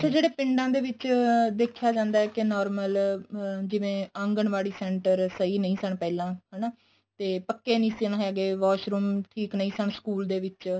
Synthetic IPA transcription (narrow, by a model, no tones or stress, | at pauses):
ət͡ʃʰaːd͡ʒeːɽeːpɪɳɖãːd̪eːʋɪt͡ʃd̪eːkʰjaːd͡ʒãːnd̪aːɛːkɪnɔːɾməl | d͡ʒɪʋẽːə̃ŋɡəɳʋaːɽiːsɛ̃ːɳʈəɾsəiːnəĩːsəɳpɛːlãːɦɛnaː | t̪eːpəkːeːnĩːsəɳɦɛːɡeːʋaːʃɾuːmʈʰiːknəĩːsəɳskuːld̪eːʋɪt͡ʃ